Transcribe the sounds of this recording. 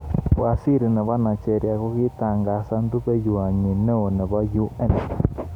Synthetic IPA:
wa˨si˦ɾi˨nɛ˨βa˦na˨t͡ʃɛ˦˨ɾja˨ku˦ki˦ta˨ŋɡa˨sa˦ndu˦pe˦ju˨a˨ɲi˨nɛ˦o˨nɛ˨βa˦ju˦ɛ˦n˨

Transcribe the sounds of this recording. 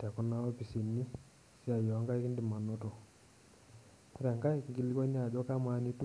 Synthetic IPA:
tɛ˨kʊ˦na˦ɔ˦pi˨si˨nːi˦ | si˦a˨jɔ˨˦ŋɡa˦i˦ki˦ndɪ˨ma˨no˦to˨ | ku˦ɾa˨ŋɡa˦ɪ˦kŋɡi˦li˦kɔ˦n˦a˨d͡ʒɔ˦ka˦ma˦ni˦t

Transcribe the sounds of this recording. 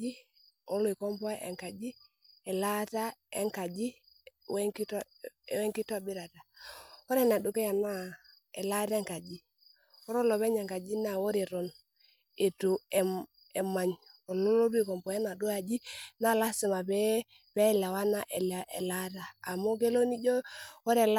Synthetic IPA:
i˦ | ɔ˦lwi˨kɔ˦mpɔ˦ʔɛ̰˨ŋka˨d͡ʒi˦ | ɛ˨la˦ta˦ɛ̰˦ŋka˨d͡ʒi˦ | wɛ˦ŋki˦t | wɛ˦ŋki˦ta˦˨bi˦ɾa˨ta˨ɔ˦ɾɛ˦˨na˨du˨ke˦ja˨na˦ | ɛ˨la˦tɛ˦ŋka˨d͡ʒi˦ | ɔ˦ɾɔ˦lɔ˨βɛ˦ɲe˨ŋka˨d͡ʒi˦na˨wɔ˦ɾi˨ɾɔ˨n | e˨tu˨ɛ˨ | ɛ˨ma˨ɲɔ˨lɔ˦lɔ˦bi˦kɔ˨mpɔ˨e˦na˨du˦a˨d͡ʒi˦na˦la˦si˨ma˨bɛ˦ | pɛ˦˨la˨wa˦na˦ʔɛ˨la˨ʔɛ̰˨la˦taː˨mo˦ke˦lo˦ni˦ɟɔ˦wɔ˦ɾɛ˨l

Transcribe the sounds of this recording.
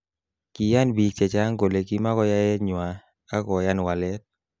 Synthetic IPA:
ki˨ja˦nbi˨k̚t͡ʃɛ˨t͡ʃa˦ŋɡo˨le˨ki˦ma˦kɔ˦ja˦jɛ˦ɲwa˨ | a˦kɔ˨ja˦n˨wa˨lɛ˦t̚

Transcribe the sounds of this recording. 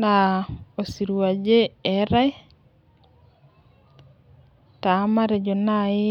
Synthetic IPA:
na˨o˨si˨ɾu˨wa˨d͡ʒe˦ɛ˨ɾa˦j | ta˨˦ma˦ɾe˨d͡ʒo˨na˦ɪ˦

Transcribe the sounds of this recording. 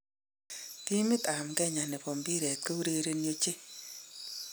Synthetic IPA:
ti˦mɪ˦t̪a˨mkɛ˦ɲa˨nɛ˨pɔ˨mbi˦ɾɛ˨t̪̚ko˦u˦ɾe˦ɾe˧njo˦t͡ʃe˦

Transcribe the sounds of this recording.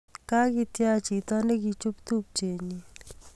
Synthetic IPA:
ka˦ki˧tja˦t͡ʃi˨tɔ˦ne˦k̬i˧t͡ʃu˦pt̪u˦p̚t͡ʃe˨ɲi˨

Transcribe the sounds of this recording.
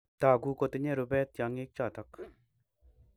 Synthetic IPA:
t̪a˨ɡu˨ko˨t̪əɲe˥˨ɾu˩˨pɛt̪̚ja˨ŋik̚t͡ɕa˥˨t̪a˨k

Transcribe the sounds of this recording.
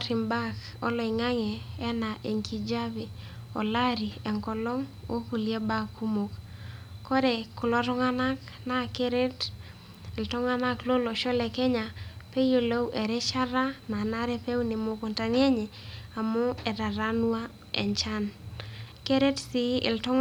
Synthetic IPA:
ɾi˨mba˦k | ɔ̰˦lɔ˨ɪ˨ŋa˦ŋɛː˨˦na˨ʔe˨ŋkʰi˦d͡ʒa˦be˨ | ɔ̰˨la˦ɾi˨ɛ˨ŋkɔ˨lɔ˦ŋo̰˦ku˨lje˦ba˦ku˦mo˨kkːɔ˦ɾɛ˨kʊ˨lɔ˦ɾɔ˦ŋa˦na˦kna˦ke˦ɾe˦t | ltɔ˦ŋa˦na˦klo˦lo˨ʃɔ˦lɛ˨kɛ˦ɲa˨pe˦jo˨lo˦wʔɛ˨ɾɛ˦t͡ʃa˦ɾa˦na˨na˦ɾɛ˦pe˦unɪ˨mo˨ko˨nta˨nje˦ɲe˨a˨mo˦ɛ˨ɾa˨ɾa˦nwa˦ | ɛ̰˨nt͡ʃa˦n | ke˦ɾe˦tsi˨˦ɪ̰˨ltɔ˦

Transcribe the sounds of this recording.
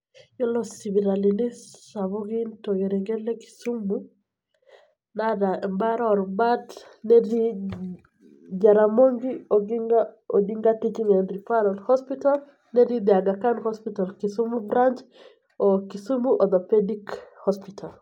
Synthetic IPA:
jɔ˦lɔ˦si˨βi˨ɾa˨linɪ˦sa˨βu˦ɡi˦nto˨ɡe˨ɾɛ˨ŋɡɛ˦lɛ˦ki̥su˦mu | nada˨mba˦ɾɔ˨ɾba˦tnɛɾi˦ | d͡ʒa˨ɾamo˦ŋɡiɔɡiŋaɔdi˦ŋɡati˦t͡ʃi˦ŋɛndɾi˨pa˦ɾɔlhɔ˦spital | nɛ˦ɾi˦d̪ia˨ɡa˨ka˦ndhɔspitalkisumubɾant͡ʃ | ɔkisu˦muʔɔ˨d̪ɔpedikhɔspitʰal

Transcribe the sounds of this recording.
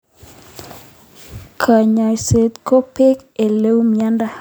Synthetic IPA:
kʰa˨ɲa˨se˨t̪ko˦pe˦k | e˨le˦wmja˦nda˦

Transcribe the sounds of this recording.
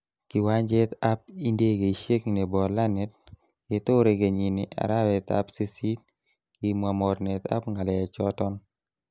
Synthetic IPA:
kɪ˨wa˦ɲd͡ʒe˦t̪a˦p̚i˦nde˦ɡe˨i˨ʃe˦kne˨bɔ˨la˦nɛ˦t̚ | ke˨to˦ɾe˨ɡe˨ɲi˨nɪ˨ʔa̰˨ɾa˦wɛ˨t̪a̰˦pse˦si˦t̚ | ki˨mwa˨mɔ˨ɾnɛ˨t̪a̰˦pŋɡa˨lɛ˨t͡ʃɔ˦tɔ˦n

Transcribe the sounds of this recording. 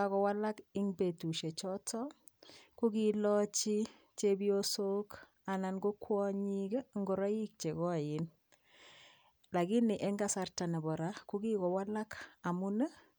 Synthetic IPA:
akɔ˨wa˦la˦kɪ˦ŋbe˨tu˨ʃe˨t͡ʃɔ˦tɔ˦ | ku˦kilɔt͡ʃi˦ | t͡ʃebio˦so˦k | a˨na˨nɡo˦kʰwɔ˦ɲikŋɡo˨ɾɔ˦ji˦k̚t͡ʃe˨kɔ˦a˨jɪ˨n | la˨ki˦ni˨ʔe˦ŋɡa˦sa˨rta˨ne˨bɔ˨ɾaku˦ki˦kɔ˨wa˦la˦ka˨mu˦nə˦

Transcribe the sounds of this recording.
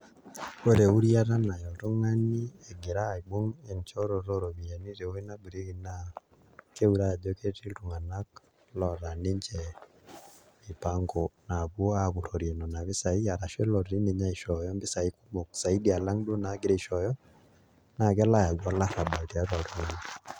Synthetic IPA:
o˦ɾe˨u˦ɾja˦ɾa˦na˨jɔ˨ɾu˦ŋa˦ni˦e˨ɡe˨ɾa˦˨i˨ɡ͡bo˦ŋe˨nt͡ʃɔ˦ɾo˨ɾo˦ɾo˨mi˨ja˨ni˦ɾe˨o˦i˦na˦ɡu˨ɾe˦ki˨na˦ | ke˦u˦ɾa˦˨d͡ʒɔ˦ke˦ti˦ɾu˨ŋa˨na˦k | lɔ˨ɾa˨ni˦ɲt͡ʃɛ˨ | i˨pa˦ŋɡɔna˨βwo˦aɣu˨ɾo˨ɾje˨nɔ˨na˨βi˦sa˨i˦a˨ɾa˨ʃɛ˦lɔ˨ɾɾi˦ne˨ɲa˦i˨ʃɔ˨jɔ˦mbɪ˦sa˨i˦ku˦mo˨ksa˨i˦di˦a˨la˦ŋdwo˦na˨˦ɡɪ˦ɾe˦i˨ʃɔ˨jɔ˦ | na˨kɛ˦la˦ja˨ɡwa˦la˦ɾa˨ba˨ti˨a˦twa˨ɾu˨˦ŋ˨n˦

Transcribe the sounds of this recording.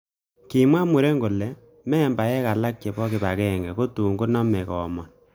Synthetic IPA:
ki˨mwa˦mu˨ɾe˦ŋɡo˨lɛ˨ | mɛ˦˨mba˨ɛ˦ka˨la˦k̚t͡ʃe˨bɔ˦kɪ˨ba˨kɛ˦˨ŋɡɛ˨ko˦tu˨ŋɡo˦nɔ˦mɛ˨kɔː˨mɔ˨n

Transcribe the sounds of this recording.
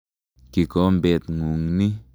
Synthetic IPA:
ki˨ko˨˦mbe˨t̪ŋu˨ŋni˦

